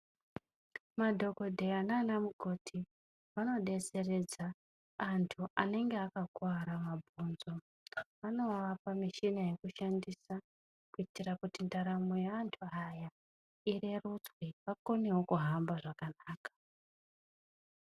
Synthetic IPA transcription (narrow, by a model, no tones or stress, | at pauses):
madʱo̞ko̞dʱe̞anaːnamuɡʱo̞tʰi | ʋano̞ɗe̞t͡se̞re̞d͡zaː | ntʰuʔane̞ŋɡe̞akakwaɾamabʱunzo̞ | ʋano̞aʋapamiʃinaje̞kuʃandisa | kuitirakutindaɾamujeantʰuaja | ire̞rut͡swiʋako̞ne̞wo̞kuɦambaʐakanaːkḁ